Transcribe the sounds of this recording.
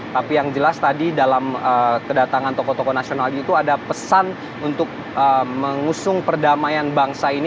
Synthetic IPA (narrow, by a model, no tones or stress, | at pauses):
t̪apijaŋd͡ʒəlast̪adidalaməkədat̪aŋant̪okɔt̪okonasionaliːt̪uadapəsan | unt̪ʊk̚ | əməŋusʊŋpərdamajanbaŋsain